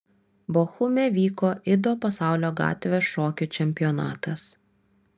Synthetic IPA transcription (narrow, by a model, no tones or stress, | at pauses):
boxʊmʲeʋʲiːkoːʔɪd̪oːpɐsɑˑʊlʲoːɡɑ̰ːt̪ʲʋʲeʃoːkʲʊt͡ʃʲɛmʲpʲɪjɔnɑ̰ːt̪ɐs